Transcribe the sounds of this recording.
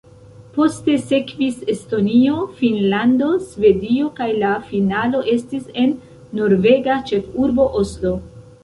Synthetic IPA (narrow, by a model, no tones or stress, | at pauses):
po̞ste̞se̞kvise̞sto̞nio̞finlando̞sve̞dio̞kajlafinalo̞ʔe̞stise̞nː | o̞ɾve̞ɡat͡ʃe̞fuɾbo̞ʔo̞slo̞